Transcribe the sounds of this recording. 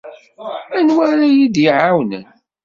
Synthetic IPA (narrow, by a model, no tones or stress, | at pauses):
ænwaɾajid̪iʕawnə̰n